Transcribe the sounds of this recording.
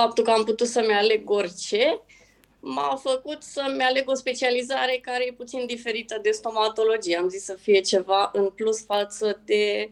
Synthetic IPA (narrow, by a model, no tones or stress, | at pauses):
fap̚t̪ulkəamput̪ut̪səmeale̞ɡo̞rʲt͡ʃe̞ | mafəkut̪səmeale̞ɡo̞spe̞t͡ʃializaɾe̞kaɾejeput̪sind̪ife̞ɾit̪əd̪e̞st̪o̞mat̪o̞lo̞d͡ʒijeamzisːəfije̞t͡ʃe̞vaʔɨnplusfat̪səd̪e̞